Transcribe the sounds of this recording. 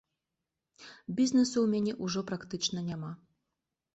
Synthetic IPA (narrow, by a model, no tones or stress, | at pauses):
bʲizʲnɛsuwmʲanʲɛʔuʐɔpɾakt̪ɨt͡ʂnɐnʲama